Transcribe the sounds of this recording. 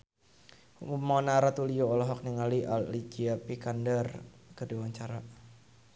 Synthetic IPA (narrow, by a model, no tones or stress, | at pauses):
umumːɔnaɾat̪ulijoɔlɔɦɔk̚niŋaliʔa̰lid͡ʒiapikandərkədiwaɲt͡ʃaɾa